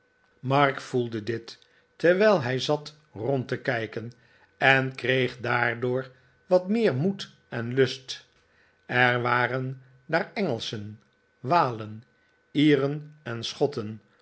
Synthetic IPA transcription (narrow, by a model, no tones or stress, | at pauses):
mɑɹkfulˠdədɪtː | əɹʋɛjlˠɦɛjzɑt | rɔntəkɛjkən | ɛnkrejχdaːɹdʊːɹ | ʋɑtmɪːɹmut | ɛnlɵst | ɛɹʋaːrən | daːɹɛŋəlˠsən | ʋaːlən | iːrənɛnsχɔtən